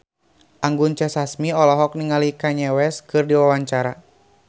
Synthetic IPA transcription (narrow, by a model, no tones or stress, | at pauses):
ʔaŋɡunt͡ʃɛsasmiɔlɔɦɔk̚niŋalikaɲɛwɛskɨrdiwawaɲt͡ʃaɾa